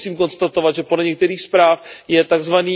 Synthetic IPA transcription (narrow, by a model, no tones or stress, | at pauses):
siːmko̞nst̪at̪ovat̪ʒɛpodlɛɲɛkt̪ɛɾiːxspɾaːfjɛt̪aɡzvaniː